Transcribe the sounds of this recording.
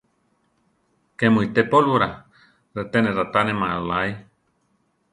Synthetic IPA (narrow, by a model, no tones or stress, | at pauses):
kemũit̪epolβuɾa | ɾet̪enẽɾat̪anẽmãalaj